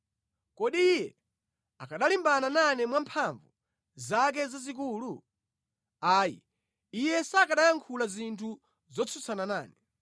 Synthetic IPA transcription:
kɔɗijɛ | akʰaɗalimbanananɛmwampʰaɱvu | zak̬ɛzazik̬uːlu | aːjḭ | ijɛsakaɗajaŋkʰulazintʰu | zɔt͡sʰut͡sʰanana̰ːnɛ

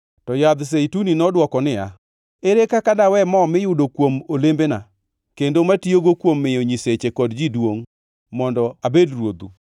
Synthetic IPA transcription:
tɔjad̪s̬eituninɔdwɔkɔnɪa̰ | eɾekakadawɛmɔmɪjʊdokwomolembena | kendomatioɡokwomːɪjoɲiset͡ʃekɔdd͡ʒidwoŋ | mɔndɔabedrwod̪u

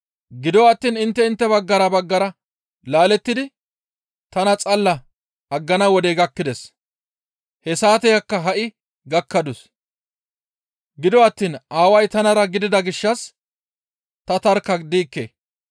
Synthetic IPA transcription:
ɡɪd̪ɔwɐt̪ːiːnɪnt̪ːɛɪnt̪ːɛbɐɡːɐɾɐbɐɡːɐɾɐ | laːlɛt̪ːɪd̪ɪ | t̪ɐnɐt͡sʼɐlːɐ | ɐɡːɐnɐwɔd̪eɡɐkːɪd̪ɛs | hɛsaːt̪ɛjɐkːɐɦɐʔɪ | ɡɐkːɐd̪ʊs | ɡɪd̪ɔɐt̪ːiːnaːwɐjt̪ɐnɐɾɐɡɪd̪ɪd̪ɐɡɪʃːɐs | t̪ɐt̪ɐɾkɐd̪iːkːḛː

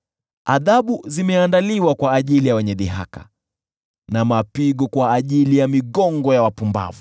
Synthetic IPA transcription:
aðaɓuzimɛandaliwakwaːʄilijawɛɲɛðiɦa̰kḁ̰ | namapiɡɔkwaːʄilijamiɠɔŋɡɔjawapumba̰vu

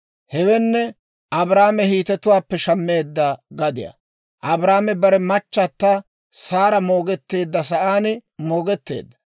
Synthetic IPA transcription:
hɛwɛnːɛ | ʔɐbɾaːmɛhiːt̪ɛt̪ʊwaːpːɛʃɐmːeːd̪ːɐɡɐd̪ɪjɐ̰ | ʔɐbɾaːmɛbɐɾɛmɐt͡ʃːɐt̪ːa | saːɾɐmo̞ːɡɛt̪ːe̞ːd̪ːɐsɐʔaːnɪmo̞ːɡɛt̪ːe̞̰ːd̪ːɐ̥

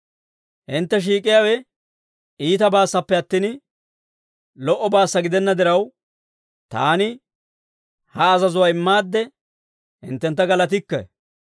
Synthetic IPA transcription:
hɪnt̪ːɛʃ̬iːkʼɪjawɛ | iːt̪ɐbaːsːɐpːɛɐt̪ːiːn | lɔʔɔbaːsːɐɡɪd̪ɛnːɐd̪ɪɾɐw | t̪a̰ːnɪ | hɐːzɐzʊwaːɪmːaːd̪ːɛ | hɪ̰nt̪ːɛnt̪ːɐɡɐlɐt̪̬ɪkːɐ̰

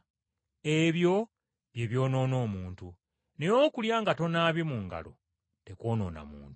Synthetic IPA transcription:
eβjo̞ | βje̞βjo̞ːno̞ːno̞ːmuːntu | nejo̞ːkuljaːŋɡato̞naβjimuŋɡa̰lo̞̰ | teko̞ːno̞̰ːna̰mṵːntu̥

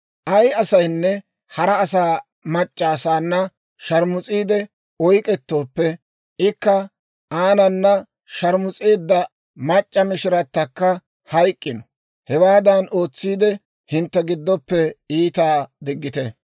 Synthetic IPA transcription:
ʔɐjɐsɐjnːɛ | hɐɾɐːsaː | mɐt͡ʃʼːaːsaːnːɐ | ʃɐɾmʊt͡sʼiːd̪ɛ | ɔjkʼɛt̪ːo̞ːpːɛ | ɪkːɐ | aːnɐnːɐ | ʃɐɾmʊt͡sʼeːd̪ːɐ | mɐt͡ʃʼːɐmɪʃɪɾɐt̪ːɐkːɐ | hɐjkʼːɪnɔ | hɛwaːd̪ɐno̞ːt͡sːiːd̪ɛ | hɪnt̪ːɛɡɪd̪ːɔpːɛiːt̪aːd̪ɪɡːɪt̪ɛ

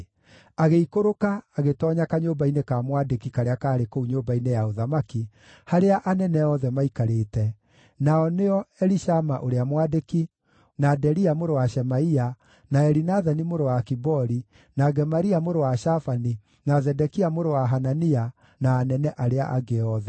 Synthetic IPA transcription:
aɣeikoɾokaːɣetɔːɲakaɲoːbainekamwadekikaɾeakaːɾekouɲoːbainejaoðamaki | haɾeaʔanɛnɛɔðɛmaikaɾeːtɛ | naɔneɔɛɾiʃamaʔoɾeamwadeki | nadɛɾiamoɾowaʃɛmaia | naɛɾinaðanimoɾowakibɔɾi | naɡɛmaɾiamoɾowaʃafani | nazɛdɛkiamoɾowaɦanania | naːnɛnɛʔaɾea̰ʔaɡeɔðɛ

